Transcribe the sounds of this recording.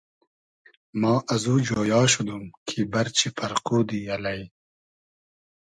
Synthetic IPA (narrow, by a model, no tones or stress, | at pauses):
mɑːʔɐzuːd͡ʒoːjɑːʃud̪umkʰibɐɾt͡ʃʰipʰɐɾquːd̪iɐlaj